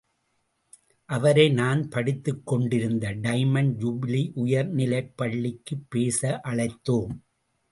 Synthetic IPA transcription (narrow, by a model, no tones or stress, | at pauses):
ʔɐʋɐɾɐɪnaːnpɐɽɪt̪ːɯkːɔɳɖɪɾɯnd̪ɐɖɐɪmɐnd͡ʒʊbɪliʔʊjɐɾnɪlɐɪpːɐɭːɪkːɯpːeːsɐʔɐɭɐɪt̪ːoːm